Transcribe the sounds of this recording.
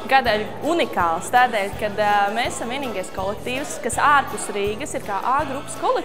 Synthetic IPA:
ɡad̪aʎʲ | unikaːlˠst̪aːd̪ɛːlʲkad̪mɛːsaːsamviɛniːɡajskɔlˠɛk̚t̪iːwskasaːɾpusɾiːɡɐsiɾkaːʔaːɡɾupːskɔlˠe

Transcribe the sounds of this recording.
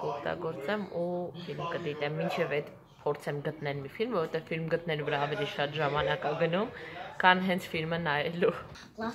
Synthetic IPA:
kɔkt̪ɑ̰ɡɔɾt͡sɛmufilmkəd̪it̪ɛmːint͡ʃʰɛvɛd̪ | pʰɔɾt͡sʰɛmɡət̪nɛlmifilmvɔɾɔvɛt̪ɛvfilmɡət̪̚nɛluvəɾɑːvɛliʃɑt̪ʒɑmɑnɑkɑɡənumkʰɑnɦɛnt͡sʰfilmənɑjɛlu

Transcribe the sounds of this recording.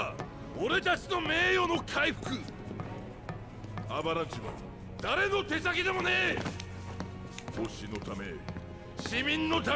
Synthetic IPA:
oɾe̞t̪at͡ɕino̞me̞ːjo̞no̞kʰaiɸɯ̟̥kɯ̟ | abaɾãɲt͡ɕima̰ | d̪aɾe̞no̞t̪e̞sakʲid̪emo̞neː | oɕino̞t̪ame̞̰ | ɕimʲĩnːo̞t̪a

